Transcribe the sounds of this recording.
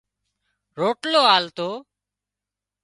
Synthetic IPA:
ɾoːʈloːaːlt̪oː

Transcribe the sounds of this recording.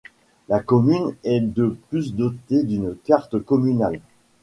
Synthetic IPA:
lakɔmynɛd̪əplys̬d̪ɔt̪ed̪ynkaʁt̪kɔmynal

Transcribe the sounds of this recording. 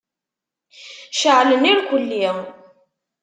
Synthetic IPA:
ʃəʕləniɾkʷəlːi

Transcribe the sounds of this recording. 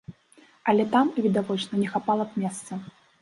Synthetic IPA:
ɐlʲɛt̪amvʲɛd̪avɔt͡ʂnɐnʲɛxapalˠɐbmʲɛst̪sɐ

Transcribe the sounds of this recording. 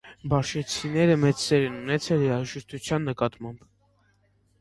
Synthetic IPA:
bɑʃɛt͡sʰinɛɾəmɛt͡ssɛɾɛnunɛt͡sʰɛləjɑʒəʃt̪ʰut͡sʰjɑnːəkɑt̪mɑmb

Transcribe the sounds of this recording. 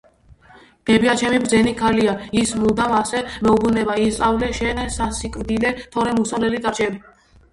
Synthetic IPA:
b̥ɛbiat͡ʃʰɛmibɾd̪zɛnikʰaliaismud̪amasɛmɛubunɛbaist̪sʼavlɛʃɛnɛsasikʼɾd̪ilɛt̪ʰɔɾɛmusalɛlid̪aɾt͡ʃʰɛbi

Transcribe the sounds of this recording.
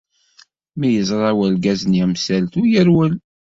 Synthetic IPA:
mijəzˤɾˤɑwælɡæzənjæmsælt̪ujəɾwəl

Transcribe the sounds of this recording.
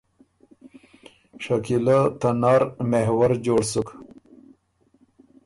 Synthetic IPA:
ʂɐkilat̪anaːɾmeɦwaɾd͡ʑoːɽsuk

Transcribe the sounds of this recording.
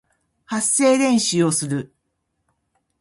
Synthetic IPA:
hasːe̞ːɾẽ̞ɰ̃ɕio̞sɨɾɯ̟

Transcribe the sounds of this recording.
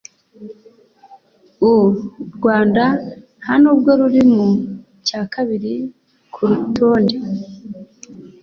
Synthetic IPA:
uɾɡwaːnda | hanuːbɡo̞ɾuɾimu | caːkaβiɾi | kʰuɾuto̞ːndi

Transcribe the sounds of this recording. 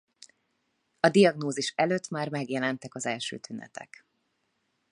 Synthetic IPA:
ɒd̪iɒɡnoːziʃɛløːt̪ːmaːrmɛɡjɛlɛnt̪ɛkɒzɛlʃø̰ːt̪ʰynɛ̰t̪ʰɛ̰k

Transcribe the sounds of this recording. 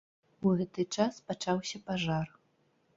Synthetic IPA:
uɣɛt̪ɨt͡ʂaspat͡ʂawsʲɐpaʐar

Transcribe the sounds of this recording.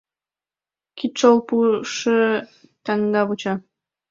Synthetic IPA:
kit̪ʃolˠpuʃə̆t̪ɑŋɡɑβut͡ɕɑ

